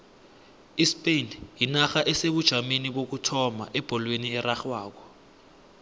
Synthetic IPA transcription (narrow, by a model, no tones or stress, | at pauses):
ispenjinaxaʔɛseɓud̥ʒ̥ʱameniɓok̬utʰɔma̰ʔɛb̥ʱɔlweniɛraxwaːk̬ɔ̥